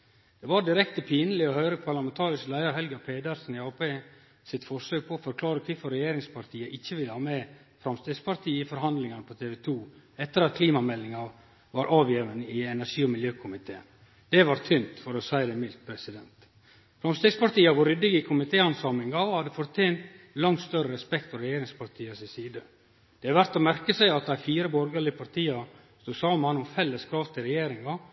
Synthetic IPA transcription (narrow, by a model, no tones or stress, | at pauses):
d̪̥ɛʋɑɖɪɾɛkt̪əpʰiːnəlɪɔɦœʏɾəpʰɑɾlɑmɛnt̪ʰɑːɾɪslæɪɑɾɦɛlɡəpʰeːd̪ɑɾsnɪɑːpeː | sɪt̪fɔʂøːk̚pʰɔːfɔɾkʰlɑːɾəkʰʋɪfɔɾɛjeːɾɪŋspʰɑɾt̪ʰiːəʔɪçːəʋɪləhɑːmɛ | fɾɑmst̪eːɡspɑɾt̪ʰiːɪfɔɾɦɑnd̪lɪŋɑnəpʰɔt̪ʰeːʋɛt̪ʰuː | ɛt̪ːəɾɑt̪̚kʰliːmɑmɛlːɪŋɑ | ʋɑɾʔɑːʋjeːʋənəɪɛnæʂiːɔmɪljøːkʰʊmɪt̪ʰḛːn | d̪̥ɛʋɑɾt̪ʰʏnt̪fɔɾɔsæɪd̪ɛmɪlt̪̚pʰɾɛsɪd̪ɛnt̪ | fɾɑmst̪ɛɡspɑɾʈ̪iːɑʋʊɾʏd̪ːɪɡɪkʰʊmɪt̪ʰeːɑnsɑːmɪŋɡɑhɑd̪ːəfɔɾt̪ʰeːnt̪ | lɑŋt̪st̪œɾəɾɛspɛkt̪fɔɾɛjeːɾɪŋspʰɑɾʈ̪ʰiːəsɪsiːd̪ə | d̪̥ɛɑʋæɾt̪ɔmæɾkəsæɪɑt̪d̪æɪfiːɾəbɔɾɡəɭɪəpʰɑɾt̪ʰiːɑ | st̪uːsɑːmɑnɔmfɛlːəskʰɾɑːʋt̪ʰɪlɾɛjeːɾɪŋɑ